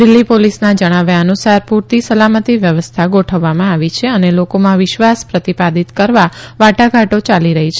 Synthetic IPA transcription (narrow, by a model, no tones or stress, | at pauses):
d̪ɪlːipolisnad͡ʒəɽ̃aʋjaənusaɾpuɾt̪isəlamət̪iʋjəʋəst̪ʰaɡoʈʰəʋːamãaʋit͡ʃʰeənelokomãʋɪʃʋaspɾət̪ipad̪it̪kəɾʋaʋaʈaɡʱaʈot͡ʃaliɾəɦit͡ʃʰe